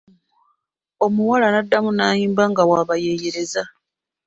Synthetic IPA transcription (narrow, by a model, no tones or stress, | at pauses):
o̞muwalanadːamunaːjiːmbaŋɡawaːβaje̞ːjeɾe̞za